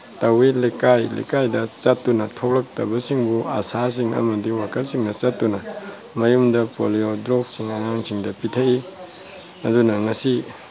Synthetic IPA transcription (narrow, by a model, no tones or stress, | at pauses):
tɐwilikajlḭkajdɐt͡ʃɐtːunɐtʰoklɐk̚tɐbɐsiŋbuɐ̰sas̬iŋɐ̰mɐdiwakʰɐlsiŋnɐt͡ʃɐtːunɐ | mɐjumdɐpo̰liodɾop̚siŋɐŋaŋsiŋdɐpitʰɐi | ɐdunɐŋɐsi